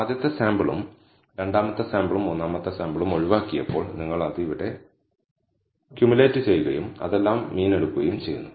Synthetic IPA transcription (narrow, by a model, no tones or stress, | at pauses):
aːd̪jɐt̪ːɐsaːmbɐɭṵm | ɾe̞ɳɖaːmɐt̪ːɐsaːmbɐɭumonːaːmɐt̪ːɐsaːmbɐɭumo̞ɻiʋaːkːijɐ̰pːo̞ːɭniŋːɐɭɐðiiʋiɽːe̞ | kjumuleːtːɨt͡ɕe̞jːuɣɐ̰jumɐ̰ðe̞lːaːmːiːneɽukːuɣɐjumt͡ɕe̞jːṵnːu